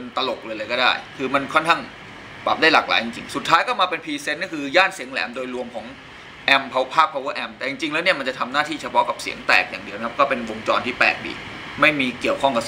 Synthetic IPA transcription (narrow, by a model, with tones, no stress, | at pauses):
e˧nt̪a˧lo˨˩k̚lɤː˧jlɤː˧jkɔː˥˩aː˥˩jkʰɯː˧ma˧nkʰɔ˥˩nkʰaː˥˩ŋ | baː˨˩p̚daː˥˩jlaː˨˩k̚la̰ː˩˦jt͡ɕi˧ŋt͡ɕḭ˧ŋsu˨˩t̪ʰːaː˦˥jkɔː˥˩maː˧pe˧npʰiː˧se˦˥t̪̚nː˥˩kʰɯː˧jaː˥˩nsi˩˦əŋlɛ̰ː˩˦mdoː˧jlu˧əmkʰɔː˩˦ŋ | ʔɛ˧mpʰa˧wpʰaː˥˩k̚pʰːa˧wu˦˥ʔɛ˧mt̪ɛː˨˩t͡ɕi˧ŋt͡ɕi˧ŋlɛ˦˥ni˥˩ɐma˧nt͡ɕa˨˩t̪ʰa˧mnaː˥˩t̪ʰiː˥˩t͡ɕʰa˧pʰɔ˦˥ka˨˩p̚sḭ˩˦əŋt̪ɛ̰ː˨˩k̚jaː˨˩ŋdi˧əwna˦a˥p̚kɔː˥˩pe˧nwo˧ŋt͡ɕɔː˧nt̪ʰiː˥˩pɛ̰ː˨˩k̚bḭ˨˩k̚ | ma˥˩jmiː˧ki˨˩əwkʰɔ˥˩ŋka˨˩